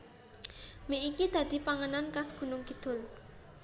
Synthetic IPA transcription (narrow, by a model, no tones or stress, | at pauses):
meʔikid̪̥ä̤d̪̥i̤paŋənankasɡ̥ṳnʊŋɡ̥i̤d̪̥ʊ̤l